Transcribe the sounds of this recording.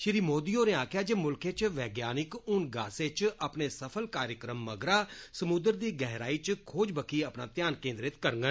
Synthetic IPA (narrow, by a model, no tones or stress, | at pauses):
ʃɪɾiːmoːd̪iːoːnẽːaːkʰjaːd͡ʒeːmʊlkeːt͡ʃʋɛːɡjaːnɪkʊnɡaːseːt͡ʃəpneːsəpʰəlkaːɾjəkɾəmːəɡɾaːsəmʊd̪əɾd̪iːɡɛɦɾaːiːt͡ʃkʰoːd͡ʒbəkʰiːəpnaːt̪ɪjaːnkẽːnd̪ɾɪt̪kəɾŋɡən